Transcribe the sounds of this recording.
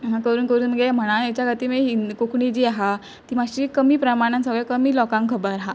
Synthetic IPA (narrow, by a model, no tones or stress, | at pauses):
ɦakəɾuːnkəɾuːnməɡem̤əɽ̃ajet͡ɕjaɡʱat̪iːmeinkokʰɳid͡ʑiːaɦa | t̪iːmaɕɾiːkəmiːpɾəmaɽ̃ãnsəɡɭekəmiːlɔkãŋkʰəbəɾɦa